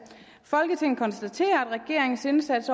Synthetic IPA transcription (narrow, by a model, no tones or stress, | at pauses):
fɒ̽lɡ̥ət͡sʰe̝ŋ̰n̩kʰɒ̽nsd̥æt͡sʰe̝̰ːɐæd̥ʁɛɡ̥e̝ɐ̰e̝ŋn̩se̝nsæd̥s